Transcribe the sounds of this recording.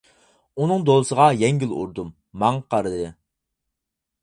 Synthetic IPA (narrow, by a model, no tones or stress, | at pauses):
unɨŋd̪olˠɨsəʁɑjɛŋɡʲylˠṵɾd̪umː | ɑŋqʰɑɾɨd̪ɨ